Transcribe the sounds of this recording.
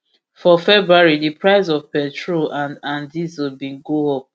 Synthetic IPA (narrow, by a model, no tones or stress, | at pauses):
fɔfɛbɹuaɹidipʰɹaɪzɔvpɛ̃tʰɹoʔãnãndizəbĩnɡoho